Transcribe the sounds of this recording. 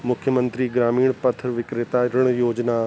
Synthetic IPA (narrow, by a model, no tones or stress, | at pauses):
mʊkʰjəmə̃nt̪ɾiɡɾaːmiːɽ̃pɐt̪ʰəɾʋɪkɾɪt̪aɾəɽ̃joːd͡ʑna